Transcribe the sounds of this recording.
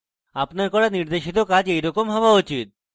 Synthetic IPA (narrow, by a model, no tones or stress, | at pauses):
apnaɾkɔɽaniɾd̪eʃit̪̬okad͡ʑejɾɔkomɦɔbaut͡ɕit̪̚